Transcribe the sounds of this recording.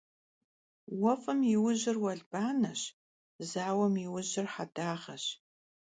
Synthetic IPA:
wɐfʼɨmjɪwʊʑɪrwɐɮb̥aːnɐɕ | zaːwɐmjiwʊʑɪrħadaːʁɐɕ

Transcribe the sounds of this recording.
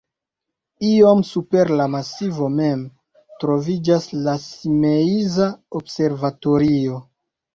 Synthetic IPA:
iomsupeɾlamasivo̞me̞m | tɾo̞vid͡ʒaslasimeizaobse̞ɾvato̞ɾio̞

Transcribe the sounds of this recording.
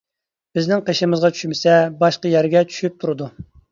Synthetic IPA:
b̥ɪznɪŋqʰeʃɪmɨzʁɑt͡ʃʰy̥ʃmɪsɛbɑʃqɑjæɾɡʲɛt͡ʃʰy̥ʃyp̚t̪ʰuɾɨd̪u

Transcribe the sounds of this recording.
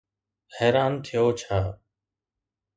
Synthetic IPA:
heːɾaːnt̪ʰɪjoːt͡ʃʰaː

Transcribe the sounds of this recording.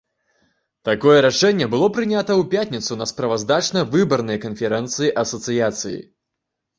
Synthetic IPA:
t̪akɔjɛɾaʂɛnʲːɛbɨlˠɔpɾɨnʲat̪ɐwpʲat̪ʲnʲit̪sunɐspɾɐvazd̪at͡ʂnɐvɨbɐrnɐjɐkɐnfʲɛɾɛnt̪sɨjiʔɐsɐt̪sɨjat̪sɨjḭ

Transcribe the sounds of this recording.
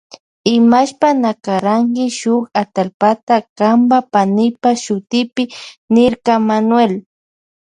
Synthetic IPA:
ɪmaʃpanakaɾaŋkɪʃʊkat̪alpat̪akambapanɪpaʃʊt̪ɪpɪnɪɾkamanwel

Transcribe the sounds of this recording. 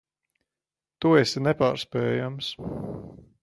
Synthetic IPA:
t̪uɛsnɛpaːɾspɛːjams

